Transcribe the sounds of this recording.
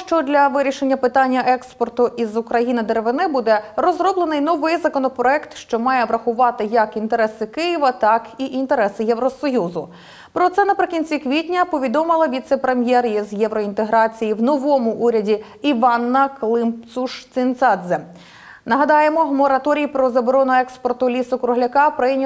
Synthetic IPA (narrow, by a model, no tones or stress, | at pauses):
ʃt͡ʃɔd̪lʲɐʋɪɾʲiʃenʲːɐpɪt̪ɑnʲːɐʔɛkspɔrt̪ʊʔizʊkɾɐjinɪd̪eɾeʋɪnɪbud̪ɛɾɔzɾɔblˠenɪjnɔʋɪjzɐkɔnɔpɾɔɛkt̪ʃt͡ʃɔmɑjɛʋɾɐxʊʋɑt̪ɪjɐkint̪e̞ɾɛsɪkɪjiʋɐt̪ɑkiʔint̪eɾɛsɪjɛʋɾɔsɔjuzʊ | pɾɔt̪sɛnɐpɾɪkʲinʲt͡sʲikʋʲitʲnʲɐpɔʋʲid̪ɔmɪlˠɐʋʲit̪sɛpɾemʲjɛrjizjɛʋɾɔint̪eɦɾɑt͡sʲijiwnɔʋɔmʊʔuɾʲɐdʲi | iʋɑnːɐklˠɪmp̪suʂt͡s̪ʲɪnt̪sɑd̪zɛ | nɐɦɐd̪ɑjemɔmɔɾɐt̪ɔɾʲijpɾɔzɐbɔɾɔnʊɛkspɔrt̪ʊlʲisʊkɾʊɦlʲɐkɑpɾɪnʲ